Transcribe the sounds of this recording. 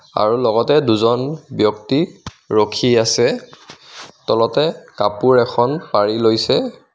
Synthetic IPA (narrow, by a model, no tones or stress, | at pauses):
a̰ɹulɔɡɔtɛduzɔnbjɔkti | ɹokʰiasɛ | tɔlɔtɛkapuɹɛkʰɔnpaɹilojsɛ